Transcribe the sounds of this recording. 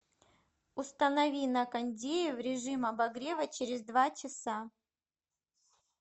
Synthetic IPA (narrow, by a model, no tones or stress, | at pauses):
ʊst̪ənɐvʲinɐkɐnʲdʲejɪvɾʲɪʐɨmɐbɐɡɾʲevət͡ɕɪɾʲɪzd̪vat͡ɕɪsa